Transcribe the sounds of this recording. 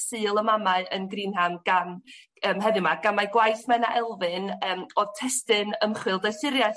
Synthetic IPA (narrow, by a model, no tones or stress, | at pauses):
sɨːlˠəmamaɨʔənɡriːnɦamɡ̥am | əːmɦɛðɨmaɡ̥amajɡwajθmɛnaʔɛlˠvɨnəːmɔðtʰɛstɨnəmχwɨlˠdɛjsɪɾja